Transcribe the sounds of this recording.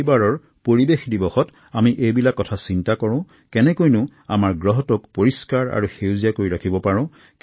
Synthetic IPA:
baɹɔɹ | poɹibexdibɔxɔt | amiʔejbilakːɔtʰasintakɔɹʊ̃ʊ̃ | kɛnɛkojnʊa̰maɹɡɹɔɦɔtʊkpoɹiskaɹa̰ɹuxewzijakoɹiɹakʰibɔpaɹʊ̃ | k

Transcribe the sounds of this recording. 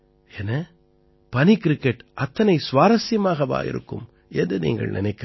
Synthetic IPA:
ɛnɐ | pɐnikɾɪkːɛʈʔɐt̪ːɐnɐɪsʋaːɾɐsɪjɐmaːɣɐʋa̰ːjɪ̰ɾɯ̰kːɯ̰m | ʔɛndɯnḭːŋɡɐ̰ɭnɪ̰nɐɪkːɐ

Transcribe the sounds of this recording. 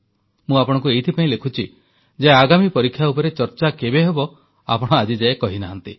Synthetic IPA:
mũapɔɽ̃ɔ̃ŋk̬ueit̪ʰipaĩlekʰut͡ʃʰi | d͡ʒeaɡamipɔɾikʰːjaupɔɾet͡ʃɔɾt͡ʃakebeɦebɔ | a̰pɔɽ̃ɔad͡ʒid͡ʒaekɔɦinaɦant̪i

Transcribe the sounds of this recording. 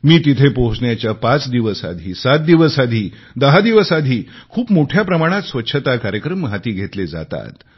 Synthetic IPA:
miːt̪it̪ʰepoɦusɳjat͡ɕjapat͡sd̪iʋəsa̰d̪ʱiːsat̪̚d̪iʋəsad̪ʱiː | d̪əɦad̪iʋəsad̪ʱiːkʰuːpmoʈʰjapɾəmaɽ̃at̪sʋətːɕʰət̪akaɾjəkɾəmɦat̪iːɡʱet̪led͡za̰t̪a̰t̪

